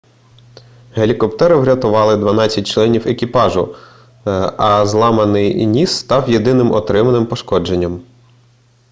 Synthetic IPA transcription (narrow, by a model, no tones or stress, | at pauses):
ɦelʲikɔpt̪ɛɾɪwɾʲɐt̪ʊʋɑlˠɪd̪ʋɐnɑt͡sʲːɐt̚ʲt͡ʃlˠɛnʲiwekʲipɑʒʊ | ɐzlˠɑmɐnɪjnʲisːt̪ɑwjed̪ɪnɪmɔt̪ɾɪmɐnɪmpɔʃkɔd͡ʒe̞nʲːɐm